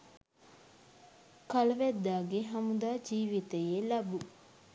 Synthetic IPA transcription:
kɐlɐʋɛd̪ːaːɡeɦɐmud̪aːd͡ʒiːʋit̪ejelɐbu

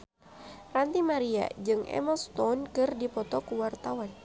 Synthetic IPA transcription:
rant̪imaɾia̰d͡ʒɨŋɛ̰mɔst̪ɔnkɨrdipɔt̪ɔkuwart̪awan

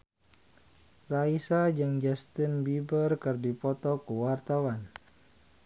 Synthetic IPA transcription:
raisad͡ʒaŋd͡ʒast̪inbibərkərdipɔt̪ɔkuwart̪awan

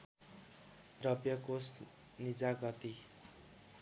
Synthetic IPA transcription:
rʌpjʌkos | nid͡zaɡʌt̪i

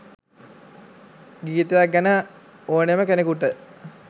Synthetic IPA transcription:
ɡiːt̪əjak̚ɡænə | oːneməkenekuʈə

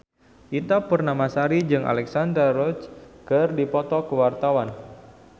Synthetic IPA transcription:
ʔit̪apərnamasaɾid͡ʒɨŋʔa̰lɛksand̪ɾarɔt͡ʃkɨrdipɔt̪ɔkəwart̪awan

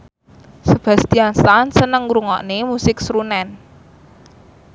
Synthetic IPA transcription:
səb̥ä̤st̪iansansənəŋɾuŋɔ̰ʔnemusɪk̚sɾunɛn

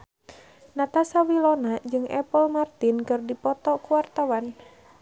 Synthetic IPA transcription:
nat̪asawilɔnad͡ʒɨŋʔɛ̰pɔlmart̪inkɨrdipɔt̪ɔkuwart̪awan

